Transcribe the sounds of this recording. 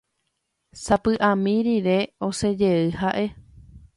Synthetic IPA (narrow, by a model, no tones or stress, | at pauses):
sapɨʔãmĩɾiɾe̞o̞se̞d͡ʒe̞ɨhaʔe̞